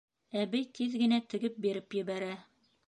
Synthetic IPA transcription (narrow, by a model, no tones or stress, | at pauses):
æβɘjt̪ʰiðɡɘ̆næt̪ɘ̆ɡɘp̚biɾɘpjɘ̆βæɾæ